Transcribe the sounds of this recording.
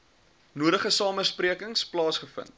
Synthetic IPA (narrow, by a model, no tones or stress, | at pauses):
nuəɾəχəsɑːməspriəkəŋsplɑːsχəfə̰nt̚